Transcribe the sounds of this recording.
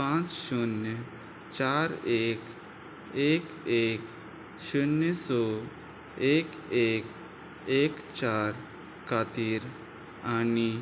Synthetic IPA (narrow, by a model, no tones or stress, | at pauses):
pãːt͡ʃʃʊnːə | t͡ʃaːɾeːk | eːk | eːk | ʃʊnəsɔ | eːk | eːk | eːk | t͡ʃaːɾ | kʰaːt̪iːɾ | ani